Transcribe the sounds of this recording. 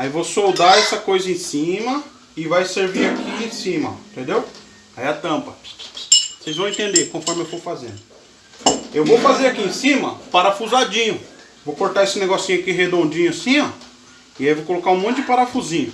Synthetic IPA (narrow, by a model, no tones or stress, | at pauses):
aivowsowd̪aɛsɐkojzɐẽsĩmɐ | ɪvajseɾviɾakʰiẽsĩmɐ̰ĩt̪ẽnd̪ew | aiat̪ɐ̃mpɐ | sejz̃wẽt̪ẽnd̪ekõfɔɾmɪewt̪owfazḛ̃nd̪ʊ | ewvowfazeɾakiẽsĩmɐpaɾafuzad͡ʒĩɲʊ | vowkoɾt̪aesɪneɡɔsĩɲʊakiɦed̪õnd͡ʒĩɲʊsĩɲɐ̃ | ɪaiwvowkolokaũmõt̪ʊd͡ʒɪpaɾafuzĩɲʊ